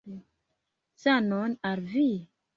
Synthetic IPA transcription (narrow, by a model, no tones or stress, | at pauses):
sanonalvi